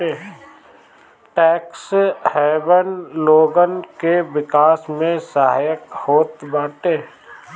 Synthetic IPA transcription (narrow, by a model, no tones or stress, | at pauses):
eː | ʈɛːkshɛːbənloːɡənkeʋɪkaːsmẽsaɦa̰ːjəkhoːt̪baːʈeː